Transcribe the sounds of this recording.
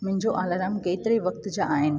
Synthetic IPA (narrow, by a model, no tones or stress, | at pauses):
mʊ̃ɦɪ̃ɲd͡ʑoʔaːlaːɾaːmkeːt̪ɪɾeʋɐk̚t̪d͡ʑaʔaːɦɪnɪ̆